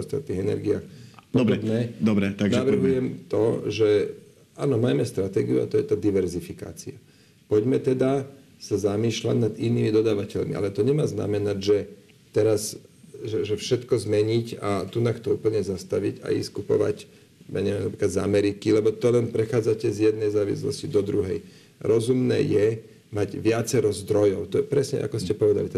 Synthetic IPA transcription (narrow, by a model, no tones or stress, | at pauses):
ɔst̪a̰t̪̚niːɣɛnɛ̰ɾɡiaːxpɔdɾbnɛd̪ɔbɾɛt̪aɡnaʋr̩ɦujɛmt̪ɔʒɛ | aːnɔmaːmɛst̪ɾat̪ɛ̰ːɡiua̰t̪ɔjɛt̪aːd̪iʋɛɾzifika̰ːt͡sia | pɔɟmɛt̪ɛd̪a | sazamiːʃla̰ɟnad̪iniːmid̪ɔd̪aːʋacɛʎmiʔa̰lɛt̪ɔɲɛmaːzna̰mɛnaɟʒɛ | t̪ɛɾasʒɛʒɛfʃɛt̪kɔzmɛɲicat̪unaxt̪ɔuːpl̩ɲɛzast̪aʋiɟa̰ḭskupɔ̰ʋa̰c | ja̰ɲɛʋɛmnapɾiklad̪za̰mɛɾikilɛbɔt̪ɔlɛnpɾɛxaːd͡zacɛzjɛd̪̚nɛjzaːʋḭslɔ̰scid̪ɔd̪ɾuɦɛ̰j | ɾɔzumnɛ̰ːjɛ | maɟʋɪat͡sɛɾɔzd̪ɾɔjɔʊt̪ɔɛpɾɛsɲɛ̰ʔa̰kɔscɛpɔʋɛd̪alit̪